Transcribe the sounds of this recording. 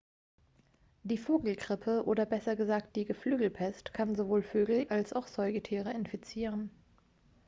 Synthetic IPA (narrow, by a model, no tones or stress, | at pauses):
d̥iːfoːɡl̩ɡʁɪpʰəʔoːdɐbɛsɐɡəzaːk̚t̚d̥iːɡəflyːɡl̩pʰɛstkʰanzovoːlføːɡl̩ʔalsaʊxz̥ɔʏɡətʰiːʁəɪnfit͡siːʁ̞ən